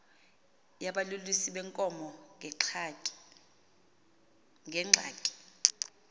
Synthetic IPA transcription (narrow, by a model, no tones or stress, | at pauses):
jaɓalulwisiɓɛŋkʼɔmɔŋʱɛǁʰatʼi̥ | ŋɡʱɛŋ͡ǁʱa̰ːtʼi̥